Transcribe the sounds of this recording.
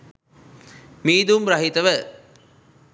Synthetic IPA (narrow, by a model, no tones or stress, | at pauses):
miːd̪umɾɐɦit̪əʋə